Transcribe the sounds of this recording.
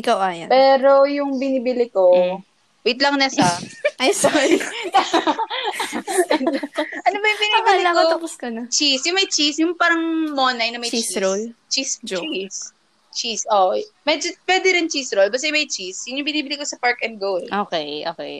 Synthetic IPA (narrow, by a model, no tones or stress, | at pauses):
ʔɪkawʔaja̰pɛːɾojʊŋbɪnibɪlɪko | wit̪̚lɐŋnɐsɐʔɐjsɐ | ɐnobɐjʊŋbɪniːbɪlɪlɐkɐoɐpʊskɐnɐt͡ʃisjʊŋmɐjt͡ʃisjʊŋpaːɾɐŋmoːnɐjnɐmɐjt͡ʃiolt͡ʃist͡ʃis | t͡ʃisʔomɛd͡ʒopwɛːd̪ɪɾɪnt͡ʃisɾolbɐst̪ɐjmɐjt͡ʃisjʊnjʊŋbɪniːbɪlɪkosɐpaɹkɐnd̪̚ɡowlʔokɛjʔoːkɛ̰j